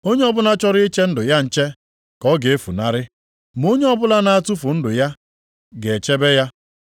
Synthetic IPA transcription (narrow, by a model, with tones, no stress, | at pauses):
o˦ɲe˦ɔ˦bʊ˦na˦t͡ʃɔ˦ɾɪ˦i˦t͡ʃe˦n̩˦dʊ˨ja˦n̩˨t͡ʃe˦ | kɔ˦ɡe˨e˦fṵ˨na˨ɾɪ˦ | m˨o˦ɲe˦ɔ˦bʊ˦la˦na˦a˦˨tu˦fʊ˨n̩˦dʊ˨ja˦ | ɡe˨e˨t͡ʃe˦be˦ja˦